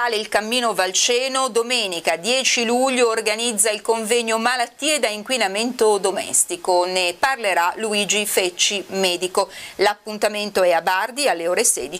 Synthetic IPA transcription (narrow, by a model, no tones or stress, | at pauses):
aːleilkamːiːnovalt͡ʃɛːnod̪omɛːnikad̪jɛːt͡ʃiluʎːoːrɡanid̪zːailkoɱvɛɲːomalat̪ːiːed̪aiŋkwinament̪od̪omɛ̰st̪ikoneparleɾaluiːd͡ʒifɛt͡ʃːimɛːd̪ikolapːunt̪ament̪oɛabard̪ialːeoːɾesɛ̰ːd̪it͡ʃ